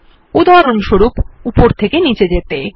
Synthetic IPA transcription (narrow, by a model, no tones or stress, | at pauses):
ud̪ʱaɾonʃoɾupupoɾt̪ʰekenit͡ɕed͡ʑet̪e